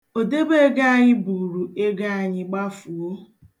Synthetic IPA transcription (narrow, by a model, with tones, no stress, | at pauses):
o˨de˦be˦e˦ɡa˦a˦ɲɪ˦bu˨ɾu˨e˦ɡa˦a˨ɲɪ˨ɡ͡ba˦fu˨o˦